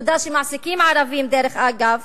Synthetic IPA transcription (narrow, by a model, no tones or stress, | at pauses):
d̪aʃemaʕsikimʕaɾavimd̪eɾeχʔaɡav